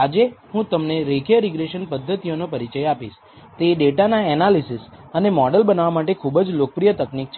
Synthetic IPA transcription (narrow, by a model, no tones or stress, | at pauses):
ad͡ʒehũt̪əmneɾekʰjəɾiɡɾeʃənpəd̪ʱːət̪ijonopəɾit͡ʃəjapiʃ | t̪eɖeʈanaɛnalisisənemɔɖəlbənaʋamaʈekʰubəd͡ʒlok̚əpɾijət̪əknik̚t͡ʃʰ